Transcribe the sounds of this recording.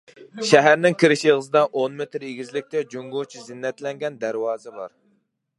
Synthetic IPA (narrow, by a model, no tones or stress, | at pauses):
ʃɛɦæɾnɪŋkʲʰiɾɪʃjeʁəzɨd̪ɑʔonmet̪ɾeɡʲizlɪk̚ʲt̪ʰɛd͡ʒoŋɡot͡ʃʰizɪnːɛt̪lɛŋɡʲɛnd̪æɾwɑːzɛbɑ̰ɾ